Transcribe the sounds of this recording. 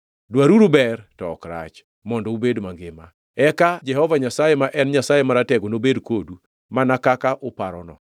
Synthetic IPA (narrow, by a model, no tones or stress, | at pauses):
dwaɾuɾubɛrtɔkɾa̰t͡ʃ | mɔndɔubedmaŋɡɪma | ɛkad͡ʒɛhɔvaɲasajemaʔɛnɲasajemaɾatɛɡonobedkodu | manakakaʔopaɾɔnɔ̰